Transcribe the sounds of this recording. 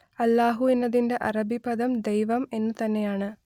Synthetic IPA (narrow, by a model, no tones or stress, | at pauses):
ɐlːaːɦuinːɐðinde̞ʔɐrɐbʱibɐd̪ɐmd̪ejʋɐme̞nːɨt̪ɐnːe̞jaːɳɨ